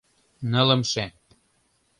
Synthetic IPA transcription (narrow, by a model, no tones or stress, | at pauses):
nə̆lə̆mʃe